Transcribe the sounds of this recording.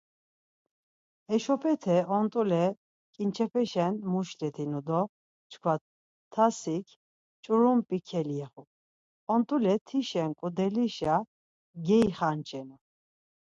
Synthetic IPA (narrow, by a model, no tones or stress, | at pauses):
ɛʃɔpʰɛt̪ʰɛɔnt̪ʼulɛ | kʼint͡ʃʰɛpʰɛʃɛnmuʃlɛt̪ʰinud̪ɔ | t͡ʃʰkʰwa | t̪ʰːasikʰ | t͡ʃʼuɾumpʼikʰɛliɛχu | ɔnt̪ʼulɛt̪ʰiʃɛŋkʼud̪ɛliʃa | ɡɛiχant͡ʃʰʼɛnu